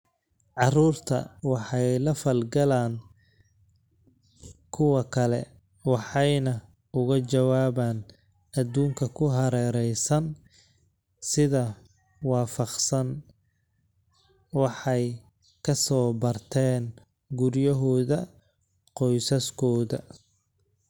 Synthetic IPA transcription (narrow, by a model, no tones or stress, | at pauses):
ʕɑruːrt̪ʰɐ̰wɑħɑjlɐfɐlɡɐlaːn | kʰʊwɐkʰɐlɛ̰ | wɑħɑjnɐ | ʊɣɐt͡ʃɐwaːβaːn | ɐd̪uːŋkʰɐkʰʊɦɐɾɛːɾɛjsɐn | sɪðɐ | wɑːfɑqsɐn | wɑħɑj | kʰɐsɔːbɐrt̪ʰɛːn | ɡʊɾjɐɦɔːðɐ | qɔjsɐskʰɔːðɐ̰